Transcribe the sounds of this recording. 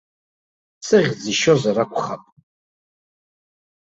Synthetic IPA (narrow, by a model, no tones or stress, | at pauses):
sɨʁʲd͡zɨʃozaɾakʷʰʼχapʼ